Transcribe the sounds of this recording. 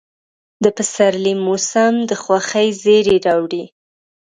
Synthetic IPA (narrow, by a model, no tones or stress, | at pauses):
d̪əpəsaɾlimːusamd̪əxwaxəjzeɾeɾɑwɽi